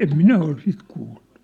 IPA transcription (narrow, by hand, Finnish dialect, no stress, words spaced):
em minæ ol sit kuːll̥u̥